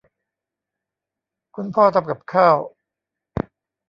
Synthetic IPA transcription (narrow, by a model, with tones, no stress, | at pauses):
kʰu˧npʰɔː˥˩t̪a˨˧˩p̚ka˨˩p̚kʰaː˥˩w